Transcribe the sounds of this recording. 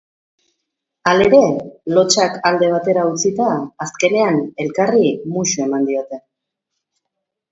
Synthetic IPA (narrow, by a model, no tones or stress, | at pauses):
ale̞ɾe̞lo̞t͡ʃakald̪e̞β̞at̪e̞ɾaut͡sit̪aːske̞ne̞ane̞lkarimuʃue̞mand̪io̞t̪e̞